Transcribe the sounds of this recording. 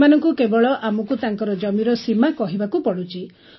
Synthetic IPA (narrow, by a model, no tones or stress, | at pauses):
manɔŋkukebɔɭɔʔamɔkut̪aŋkɔɾɔd͡ʒɔmiɾɔsimakɔɦibakupɔɽut͡ʃʰi